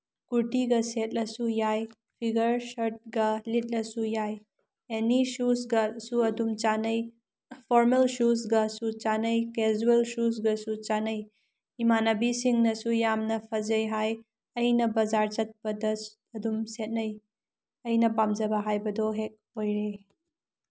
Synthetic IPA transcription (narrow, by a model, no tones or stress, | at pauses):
kuɾtiɡɐset̚lɐsujaj | pʰiɡɐɾsɐɾt̚ɡɐlit̚lɐsujaj | enisusɡɐsuɐdumt͡ʃanɐj | pʰoɾmelsus̬ɡɐsut͡ʃanɐjkezuelsus̬ɡɐsut͡ʃanɐj | imanɐbisiŋnɐsujamnɐpʰɐd͡ʒɐjɦaj | ɐjnɐbɐzaɾt͡ʃɐt̚pɐdɐ | ɐdumset̚nɐj | ɐjnɐpamd͡ʒɐbɐɦajbɐdoɦek̚ojɾe